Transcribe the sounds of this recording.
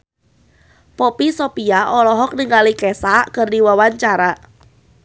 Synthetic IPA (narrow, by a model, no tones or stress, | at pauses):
pɔpisɔpiaʔɔlɔɦɔk̚niŋalikɛsaʔkərdiwawaɲt͡ʃaɾa